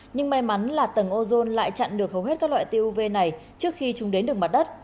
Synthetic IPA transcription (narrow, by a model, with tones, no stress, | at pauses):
ɲɨ˧ŋma˧jma˨˦nlaː˨˩t̪ə˧˩ŋʔo˧zo˧nla̰ː˧˨jt͡ɕa̰˧˨nɗɨ˨˩ək̚hə˨˩wɦe˦˥t̚kaː˦˥lwa̰ː˧˨t̪e˧ʔu˧ve˧na˨˩jt͡ɕɨ˦˥ək̚xi˧t͡ɕʊ˨˦ŋ͡mɗe˨˦nɗɨ˨˩əkma˨t̚ɗə˦˥t̚